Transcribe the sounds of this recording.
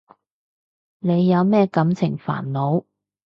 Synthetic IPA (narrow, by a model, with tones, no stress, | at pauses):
ne˨˧jːɐ˨˧wmɛː˥kɐ˨˥mt͡sʰɪ˨˩ŋfa̰ː˨˩nlo˨˧w